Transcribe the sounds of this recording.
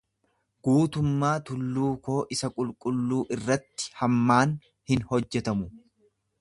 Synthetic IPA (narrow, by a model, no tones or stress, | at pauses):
ɡ̥uːt̪ʊmːaːt̪ʊlːuːko̞ːʔɪsɐkʼʊlkʼʊlːuːʔɪrːɐt̪ːɪ̥hɐmːaːn | hɪnhɔd͡ʒːɛt̪ɐmʊ